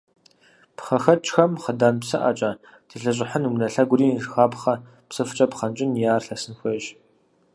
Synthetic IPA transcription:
pχɐxɐt͡ʃʼxɐmχədaːnpsɨʔɐ̰t͡ʃʼɐ | tʰiɬɐɕ̬ʼɪħənumnɐɬɐɡʷʊriːrxaːpχɐ | psɨft͡ʃʼɐpχɐnt͡ʃʼɪnjaːrɬɐsɨnxʷɐʒ

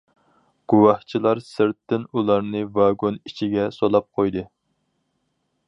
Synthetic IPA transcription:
ɡ̥uwɑht͡ʃʰilˠɑɾsɪɾt̪ːɪnulˠɑɾnɨvɑɡonit͡ʃʰiɡʲɛsolˠɑp̚qʰojd̪ɨ

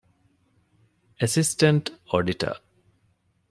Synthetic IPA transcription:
əsisʈəɳʈoːɖiʈə̰ː

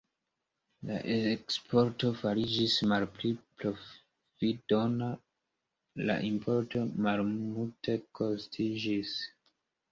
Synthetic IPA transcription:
la̰ʔekspʰo̞ɾto̞faɾid͡ʒismalplipɾo̞ | vido̞na | la̰ʔimpʰo̞ɾto̞malmultʰe̞kʰo̞stʰid͡ʒis

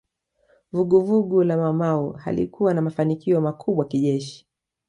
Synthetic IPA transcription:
vuɠuvuɠulamamauha̰lḭkuwanamafanikiɔmakʰuɓaakiʄɛʃi̥

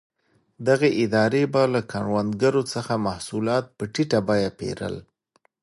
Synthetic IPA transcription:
d̪aɣeʔɪd̪ɑɾebalakaɳwand̪ɡaɾot͡səxamahsulɑt̪̚pəʈiʈabɑjapḛɾə̰l

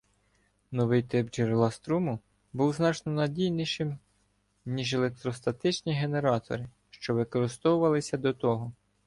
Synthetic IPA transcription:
nɔʋɪjt̪ɪpd͡ʒeɾlˠɐst̪ɾumʊ | buwznɑt͡ʃnɔnɐdʲijniʃɪm | nʲiʒelˠek̚t̪ɾɔst̪ɐt̪ɪt͡ʃnʲiɦe̞ne̞ɾɑt̪ɔ̰ɾɪ | ʃt͡ʃɔʋɪkɔɾɪst̪ɔwʊʋɐlˠɪsʲɐd̪ɔt̪ɔɦɔ

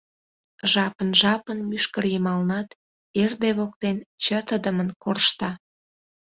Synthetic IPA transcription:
ʒɑpənʒɑpənmyʃkərjəmɑlnɑt̪ | erd̪eβok̚t̪ent͡ɕət̪əd̪əmənkorʃt̪ɑ

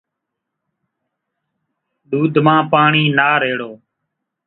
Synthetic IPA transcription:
ɗ̪uːd̪ʱmãːpaːɳiːnaːɾeːɽoː

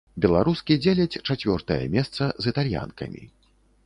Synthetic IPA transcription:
bʲɛlˠaɾuskʲid͡zʲelʲɐt͡sʲt͡ʂat͡sʲvʲɔrt̪ɐjɐ̰mʲɛst̪sɐzɨt̪alʲja̰nkɐ̰mʲḭ

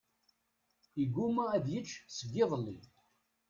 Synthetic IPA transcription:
iɡːumææðjət͡ʃːsəɡːɪðˤəlːḭ

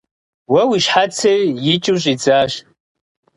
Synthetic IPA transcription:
wawiʃħat͡sʰerjit͡ʃʼɨɕʷʼid͡zaʃ

